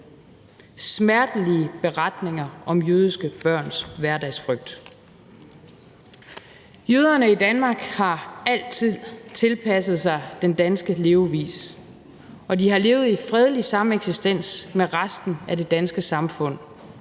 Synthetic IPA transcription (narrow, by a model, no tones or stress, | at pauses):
smæɐd̥əliəb̥e̝ʁad̥ne̝ŋɐɒ̽mjøːð̞ˠisɡ̥əb̥ɶɐ̰nsʋæɐd̥æɪsfʁœɡ̥̚d̥ | jøːð̞ˠɐnəid̥ænmɑ̈ːɡ̥hɑ̈æl̰t͡sʰið̰ˠt͡sʰe̝lpʰæsð̞̩ˠsɑ̈ɪd̥end̥ænsɡ̥əle̝ːʊʋḭːs | ɒ̽dihɑ̈le̝ːʊð̞̩ˠifʁɛð̞ˠəlisɑ̈meɡ̥sisd̥en̰smeʁasd̥n̩æde̝d̥ænsɡ̥əsɑ̈mfɔ̽n̰